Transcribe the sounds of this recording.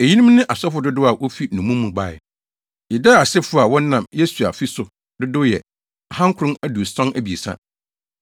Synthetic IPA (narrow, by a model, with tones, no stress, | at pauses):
e˨ji˦nũ˦m˦nɪ̃˦ʔa˨sɛ˦fʊ˦dʊ˦dʊ˦a˨wʔo˦fi˦nũ˨mũ˦mũ˨ɡ͡ba˦˨ɛ̰˨ | ɪ˨dɛ˦a˨sɪ˦fʊ˦a˨wɔ̃˦n˦nã˨mje˦su˨a̰˨fi˦sʊ˨ | dʊ˦dʊ˦jɛ̰˨ | a˨hã˦ŋkʰʊ˨ɾʊ̃˦æ˨du˨sɔ̃˦næ˨bi˨e˨sã̰˦